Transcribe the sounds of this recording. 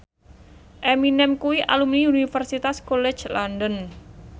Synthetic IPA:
ʔɛminɛmkuwiʔa̰lumniunifərsit̪askolɛ̥t͡ʃlandən

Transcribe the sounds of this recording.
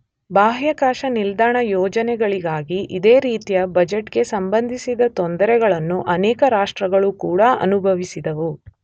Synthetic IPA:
baːɦjɐkaːʃɐnild̪aːɳɐjɔːd͡ʒɐnɛɡɐɭiɡaːɡiʔid̪eːɾiːt̪ijɐbɐd͡ʒeʈɡe̞sɐmbɐnd̪ʱisid̪ɐt̪ɔnd̪ɐɾɛɡɐɭɐnːuʔɐnɛːkɐɾaːʂʈɾɐɡɐɭukuːɽɐɐ̰nubʱɐʋisid̪ɐʋu

